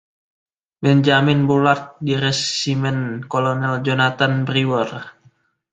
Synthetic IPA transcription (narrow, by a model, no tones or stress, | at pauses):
bɛnd͡ʒamɪnbolart̪̚diɾɛsimɛnkolonɛld͡ʒonat̪anbriwɔr